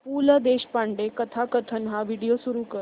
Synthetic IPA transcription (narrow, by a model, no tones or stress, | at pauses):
puːləd̪eɕpaɳɖekət̪ʰakət̪ʰənɦaʋiɽijosuɾuːkəɾ